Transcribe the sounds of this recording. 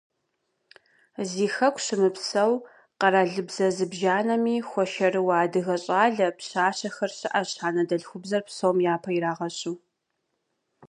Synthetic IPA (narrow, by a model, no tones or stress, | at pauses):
ziːxɐkʷʰʼɕɨmɨpsɐw | qɐɾaːɮɨbzɐzɨbʒaːnɐmiːxʷɔʃɐrɨwaːdɨɣɐɕʼaːɮɐpɕaːɕɐxɐrɕɨʔɐɕħaːnɐdɐɮxʷʊbzɐrpsɐwmjaːpʰɐiɾaːʁɐɕʼuː